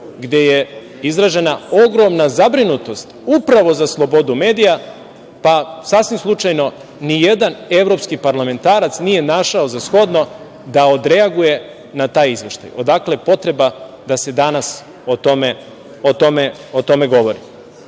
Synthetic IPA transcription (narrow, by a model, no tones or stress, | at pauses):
ɡd̪e̞je | izɾaʒe̞nao̞ɡɾo̞mnazabɾinut̪o̞st̪upɾaʋo̞zaslˠo̞bo̞d̪ume̞ːd̪ija | pasasʋimslˠut͡ʃajno̞ | nije̞d̪ane̞ʋɾo̞pskipaɾlame̞nt̪aːɾat̪snije̞naʃaozasxo̞d̪no̞ | d̪ao̞d̪ɾeaɡuje̞ | nat̪aːjizʋe̞ʃt̪a̰jo̞d̪akle̞po̞t̪ɾe̞ba | d̪ase̞d̪anas | ot̪ome | ot̪o̞meot̪o̞me̞ɡo̞ʋo̞ɾi